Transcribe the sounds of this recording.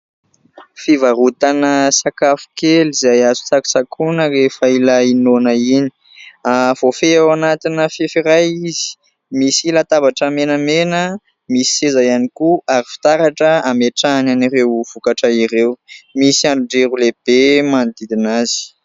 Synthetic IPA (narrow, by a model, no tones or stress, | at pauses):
fivaɾut̪anəsakafu̥kelizajazu̥t͡saku̥sakʰunəɾefailainonəini̥ | av̥ofeawanat̪inəfefiɾajizi̥ | misilat̪abaʈ͡ʂəmenəmenə | misi̥sezajanikuaɾifi̥t̪aɾaʈ͡ʂəameʈ͡ʂananiɾewv̥ukaʈ͡ʂəiɾewmisiaɳɖ͡ʐuɳɖ͡ʐeɾuleb̥emanid̪id̪inaz̥i̥